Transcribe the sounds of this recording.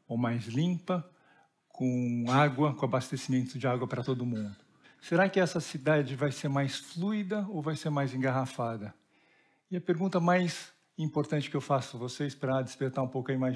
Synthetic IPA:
omajzlĩpɐ | kʰõaɡwɐkõabast̪esimẽnt̪ʊd͡ʒɪaɡwɐpɾɐt̪od̪ʊmũnd̪ʊ | seɾakɪɛsɐsid̪ad͡ʒɪvajseɾmajsfluid̪ɐowvajseɾmajzẽɡaɦafad̪ɐ | ɪɐpeɾɡũnt̪ɐmajz | ĩpoɾt̪ɐ̃nt͡ʃɪ̥kɪewfasʊvosejspɾɐd͡ʒɪspeɾt̪aɾũpowkĩmaj

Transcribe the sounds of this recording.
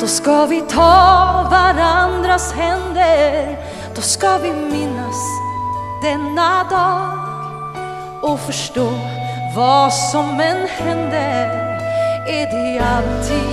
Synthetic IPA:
d̪̥ɔskavɪt̪ʰɑːvaɾand̪ɾashɛnd̪ə | d̪̥ɔskavɪmɪnːas | d̪̥ɛnːad̪ɑː | ɔfœʂʈoːvɑsɔmɛnhɛnd̪ə | æɖɛalt̪ʰi

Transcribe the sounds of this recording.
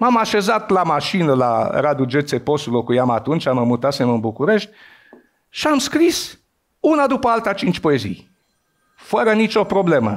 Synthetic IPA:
mamaʃe̞zat̪lamaʃinəlaɾad̪ud͡ʒet̪sepo̞sulo̞kujamat̪unt͡ʃaməmut̪asemɨnbukuɾe̞ʃt̪ʲ | ʃiamskɾis | unad̪upəalt̪at͡ʃint͡ʃʲpo̞e̞zḭj | fəɾənit͡ʃo̞pɾo̞ble̞mə

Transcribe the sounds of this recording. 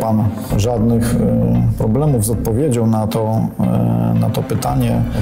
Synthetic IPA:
pan | ʐad̪nɘxpɾɔblɛmuvzɔt̪̚pɔvʲjed͡ʑawnat̪ɔ | na̰t̪ɔpɘt̪aɲɛ

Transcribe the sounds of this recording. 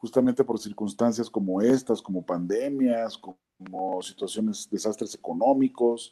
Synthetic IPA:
xust̪ament̪e̞po̞ɾsiɾkunst̪ans̬jasko̞mo̞e̞st̪asko̞mo̞pand̪e̞mjasko | mosit̪wasjo̞ne̞sd̪e̞sast̪ɾe̞se̞ko̞no̞miko̞s

